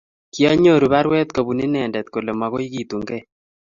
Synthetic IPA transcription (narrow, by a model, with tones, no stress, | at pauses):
ki˦ɔ˦ɲo˦˨ɾu˨βa˦ɾwɛ˦t̪ko˨bu˨ni˦nɛ˨ndɛ˨t̪̚ko˨le˨ma˨ɣo˦i˦ɡi˦t̪u˨ŋɡɛ˦˨